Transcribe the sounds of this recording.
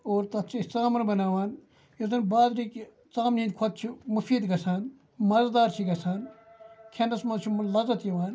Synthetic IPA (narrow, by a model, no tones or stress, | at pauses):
oːɾt̪ɐt̪t͡ʃʰist̪aːmɐnbɐnaːʋaːn | jɐzɐnbaːd̪ɾiːk | t͡saːmnĩːd̪̚kʰot̪̚t͡ʃʰimufiːd̪ɡɐsaːn | mɐzd̪aːɾt͡ʃʰiɡɐsʰaːnkʰenɐsmɐt͡ʃʰumlɐzɐt̪jiʋaːn